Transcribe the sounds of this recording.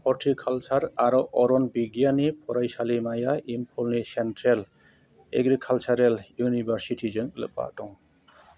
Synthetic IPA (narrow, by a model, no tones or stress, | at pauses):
pɔɾtʰikʰalsaɾaɾɔʔɔɾɔnbiɡijanipʰɔɾajsalimajaimpʰɔlnisentɾel | ḛɡɾikʰalsaɾeljunibʱaɾsitʰizɯŋlɯ̰p̚a̰tɔŋ